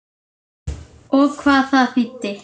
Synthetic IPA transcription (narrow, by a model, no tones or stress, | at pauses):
okʰvaθaθit̪ːɪ